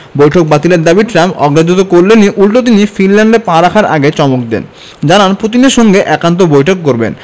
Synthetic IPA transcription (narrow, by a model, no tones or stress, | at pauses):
bojʈʰok̚bat̪ileɾd̪abiɖʈɾamɔ̰ɡɾad͡ʑot̪okoɾlenːiʔulʈot̪̬inifinlaɳɖepãɾakʰaɾʔa̰ɡet͡ɕɔmok̚d̪ɛ̰n | d͡ʑananpot̪̬ineɾʃɔŋɡeʔɛkant̪̬obojʈʰok̚ːoɾbḛn